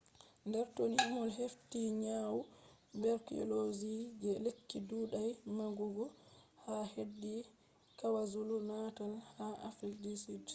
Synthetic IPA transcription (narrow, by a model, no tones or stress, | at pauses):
ndɛɾtonihimɔlɦeftiɲawu | bɛɾkiɔ̰lozid͡ʒɛlekːiduːɗajmaɡuɡɔhahedːi | kawazulunatalhaʔafildisid